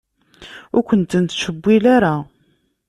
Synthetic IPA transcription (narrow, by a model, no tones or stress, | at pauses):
ʊɾkʷənt̪ənt̪ːʃəbːilaɾa